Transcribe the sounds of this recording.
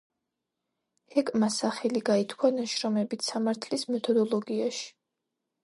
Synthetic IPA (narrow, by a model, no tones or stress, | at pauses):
ɛkʼmasaχɛliɡait̪ʰkʰwanaʃɾɔmɛbit̪ʰsamaɾt̪ʰlismɛt̪ʰɔd̪ɔlˠɔɡiaʃi̥